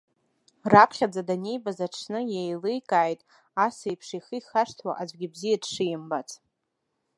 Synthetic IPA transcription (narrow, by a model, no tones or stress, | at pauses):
rapʰχʲad͡zadane̞jbazaʈ͡ʂʰnɨjejlejkʼaːjtʼ | asejpʰʂiχɨjχaʂtʰwa̰ʔazʷɡʲɪbzijadʂɨjɪmbat͡sʰʼ